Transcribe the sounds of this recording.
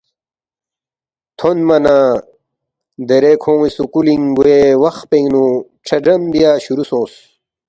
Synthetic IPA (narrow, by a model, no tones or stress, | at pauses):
t̪ʰonmɐna | d̪eɾekʰõːisukuliŋɡuewɐxpeŋnu | ʈ͡ʂʰɐɖɐmbijaːɕuɾusõːs